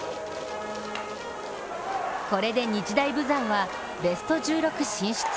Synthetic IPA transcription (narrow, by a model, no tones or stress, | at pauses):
ko̞ɾe̞d̪e̞ɲ̟it͡ɕid̪aibɯ̟zãɰ̃βa | be̞sɨ̥t̪o̞ʑɨːɾo̞kɯ̟ɕĩɰ̃ɕi̥t͡s